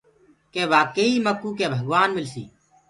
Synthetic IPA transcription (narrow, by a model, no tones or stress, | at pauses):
keːʋaːkəiːməkuːkeːbʱəɡʋaːnmɪlsḭː